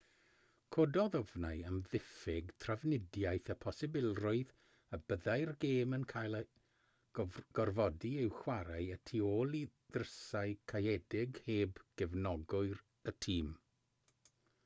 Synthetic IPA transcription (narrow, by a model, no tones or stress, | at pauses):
kʰodɔðɔvnaɨəmðɪfɪɡtʰravnɪdjajθəpʰɔsɪbɪlˠrʊɨð | əbəðajrɡeːmənkʰajlˠ | ɡ̥ɔrvɔdiɪwxwaɾaɨətʰioːlˠi | ð̥rəsaɨkʰajɛdɪɡheːbɡ̥ɛvnɔɡʊɨr | ətʰiːm